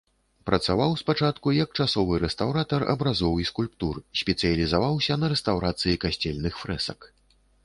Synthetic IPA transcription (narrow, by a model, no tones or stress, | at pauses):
pɾɐt̪savawspat͡ʂat̪kujɐk̚t͡ʂasɔvɨɾɛst̪awɾat̪ɐrɐ̰bɾazɔwiskulʲpt̪ursʲpʲɛt̪sɨjɐlʲizavawsʲɐnɐɾɛst̪awɾat̪sɨjikasʲt͡sʲɛlʲnɨxfɾɛsɐk